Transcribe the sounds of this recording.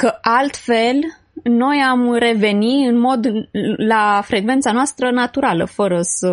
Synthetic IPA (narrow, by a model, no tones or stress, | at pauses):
kəʔalt̪fe̞l | no̞jamre̞ve̞niɨnmo̞d̪lafɾe̞ɡve̞ntsanoast̪ɾənat̪uɾalə̰fəɾəsə